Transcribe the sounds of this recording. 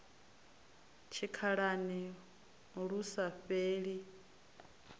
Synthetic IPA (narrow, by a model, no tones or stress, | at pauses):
t͡ʃʰikʰaɺanɛ | ɺusaɸeːɺi